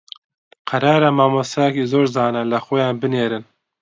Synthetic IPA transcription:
qʰɐɾɑːɾamaːmost̪ɛjɛkizoːɾzɑːnɐlɐxojɑːnbɨneːɾɨn

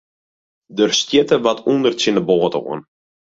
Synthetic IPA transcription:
dərstjɪtəʋatʰundərsɪnəboːətə̰ṵən

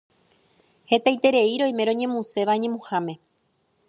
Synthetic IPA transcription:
he̞t̪ajt̪e̞ɾe̞iɾo̞j̃mẽ̞ɾõ̞ɲẽ̞mũse̞ʋaɲẽ̞mũhamẽ̞

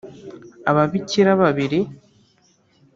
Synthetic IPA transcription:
aβaβiciɾaβaβiɾi

